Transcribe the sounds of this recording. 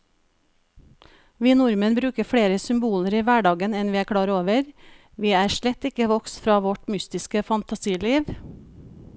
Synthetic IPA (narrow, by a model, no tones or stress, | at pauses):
ʋiːnʊɾmənbɾʉːkəfɽeːɾəsʏmbuːləɾiːʋæɖɑːɡənɛnʋiːæːkʰɽɑːɾoːʋəɾ | ʋiːæːʃlɛt̪ɪkəʋɔkst̪fɾɑːʋɔʈmʏst̪ɪskəfɑnt̪ɑsiːliːʋ